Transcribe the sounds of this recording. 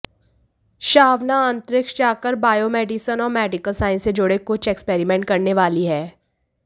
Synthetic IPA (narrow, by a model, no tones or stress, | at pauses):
ʃaːʋnaə̃nt̪ɾɪkʃt͡ʃaːkəɾbaːjoːmɛːɖɪsənɔːɾmɛːɖɪkəlsaːɪ̃nsed͡ʒʊɽekʊt͡ʃɛkspeːɾimɛ̃ɳʈ̚kɐɾneʋaːliɦɛː